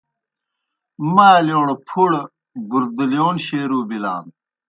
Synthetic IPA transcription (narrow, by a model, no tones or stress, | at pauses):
maːljoːɳpʰuɽ | buɾd̪ilijoːnɕeːɾuːbila̰ːn